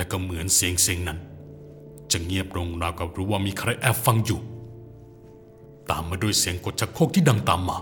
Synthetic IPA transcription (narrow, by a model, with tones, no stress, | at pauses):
t̪ɛː˧˩wkɔː˧˩mɯ˩˦ənsi˨˦əŋsi˨˦əŋna˦˥n | t͡ɕa˨˩ŋi˥˩əp̚ɾo˧ŋɾaː˧˩wkɔ˧˩ɾuː˦˥waː˥˩miː˧kʰɾa˧jʔɛː˧˩pfa˧ŋjuː˨˩ | t̪aː˨mːaː˧du˥˩əjsiː˨˦əŋko˨˩t̪̚t͡ɕʰa˦˥t̪̚kʰo˥˩k̚t̪iː˥˩da˧ŋt̪aː˨mːaː˧